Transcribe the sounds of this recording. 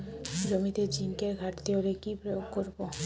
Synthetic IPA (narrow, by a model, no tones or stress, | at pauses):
ɾomit̪ed͡ʑinkeɡʱaʈt̪ioɾekipɾojoɡkoɾbo